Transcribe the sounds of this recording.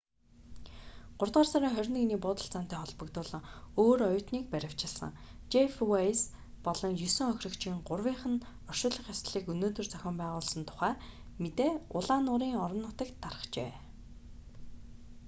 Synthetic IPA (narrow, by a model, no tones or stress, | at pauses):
ɢ̥ʊrt̪̚ɢaːrsaɾiːŋχœɾʲnɘ̆niːpʊːt̪ə̆ɬt͡saːn̥t̪æːχɔɮpɞ̆kt̪ʊːɮə̆ŋoːɾɔjʊːt̪niːk̚pæɾʲɪ̆w̥t͡ɕɪ̆ɮsə̰̆ŋ | t͡ɕefwajs | pɔɮɞ̆ŋjɵsɵ̆ŋœxʲrɵ̆kt͡ɕĭːŋɢʊrwiːɴχə̆n | ɔrʃʊːɮə̆χjast̪ɮiːkɵnoːt̪ɵ̆rt͡sœxʲɪ̆mpæːʁʊːɮsə̆nt̪ʰʊ̥χæː | met̪eːʊɮaːnʊːɾiːŋɔɾɞ̆nːʊt̪ə̆kt̪ʰːarə̆χt͡ɕḛː